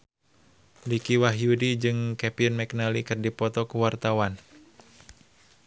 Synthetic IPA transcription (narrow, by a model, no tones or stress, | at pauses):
likiwaɦiudid͡ʒɨŋkɛpinmɛknalikɨrdipɔt̪ɔkuwart̪awan